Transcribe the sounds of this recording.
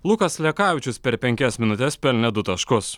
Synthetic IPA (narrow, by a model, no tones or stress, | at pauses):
lˠʊkɐslʲɛkɑːʋʲɪt͡ʃʲʊspʲɛɾpʲɛŋʲkʲɛsmʲɪnʊt̪ʲɛspʲɛlʲnʲɛd̪ʊt̪ɐʃkʊs